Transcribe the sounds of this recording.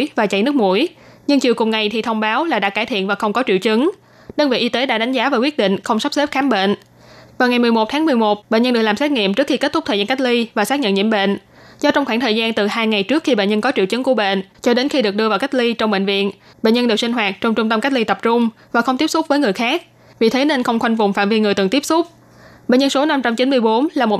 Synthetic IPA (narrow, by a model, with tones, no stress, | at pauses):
jvaː˨˩t͡ɕa̰˧˩jnɨ˦˥ək̚mṵ˧˩əj | ɲɨ˧ŋt͡ɕi˨˩kʊ˨˩ŋ͡mŋa˨˩jt̪ʰi˨˩t̪ʰə˧wŋ͡mɓaː˨˦wlaː˨˩ɗa̰ː˧˥kaː˧˩t̪ʰḭ˧˨ənvaː˨˩xə˧wŋ͡mkɔ˨˦t͡ɕḭ˧˨əwt͡ɕɨ˨˦ŋ | ɗəː˧ŋvḭ˧˨ʔi˧t̪e˨˦ɗa̰ː˧˥ɗa˨˦jŋ̟zaː˨˦vaː˨˩kwi˦˥ət̚ɗḭ̈˧˨ŋ̟xə˧wŋ͡msa˦˥p̚se˦˥p̚xaː˨˦mɓḛ˧˨n | vaː˨˩wŋa˨˩jmɨ˨˩əjmo˨˩t̪ʰaː˨˦mɨ˨˩əjmo˨˩t̚ɓḛ˧˨nɲə˧nɗɨ˨˩laː˨˩msɛ˦˥t̚ŋḭ˧˨mt͡ɕɨ˦˥k̚xi˧ke˦˥t̚t̪ʊ˦˥k͡p̚t̪əː˨˩zaː˧ka˦˥k̚li˧vaː˨˩saː˦˥k̚ɲə̰˧˨nɲḭ˧˥əmɓḛ˧˨n | zɔ˧t͡ɕɔ˧ŋ͡mxwaː˧˩ŋt̪ʰəː˨˩zaː˧nt̪ɨ˨˩haː˧jŋa˨˩jt͡ɕɨ˦˥ək̚xi˧ɓḛ˧˨nɲə˧nkɔ˨˦t͡ɕḭ˧˨əwt͡ɕə˨˦ŋku˧˩əɓḛ˧˨nt͡ɕɔ˧ɗe˨˦nxi˧ɗɨ˨˩ək̚ɗɨ˧vaː˨˩wka˦˥jk̚li˧t͡ɕɔ˧wŋ͡mɓḛ˧˨n̟vḭ˧˨ən | ɓḛ˧˨ɲə˧nɗe˨˩wsï˧ŋ̟waː˨˩t̚t͡ɕɔ˧wŋ͡mt͡ɕʊ˧ŋ͡mt̪ə˧mka˦˥k̚li˧t̪ə˨˩p̚t͡ɕʊ˧ŋ͡mvaː˨˩xə˧wŋ͡mt̪i˦˥əp̚sʊ˦˥k͡p̚vəː˨˦jŋɨ˨˩əjxaː˦˥k̚ | vḭ˨˩t̪ʰe˨˦ne˧nxə˧wŋ͡mxwa˧jŋ̟vʊ˨˩ŋ͡mfa̰ː˧˨mvi˧ŋɨ˨˩əjt̪ɨ˨˩ŋt̪i˦˥p̚sʊ˦˥k͡p̚ | ɓḛ˧˨nɲə˧nso˨˦na˧mt͡ɕa˧mt͡ɕi˨˦nmɨ˧əjɓo˨˦nlaː˨˩mo˨˩t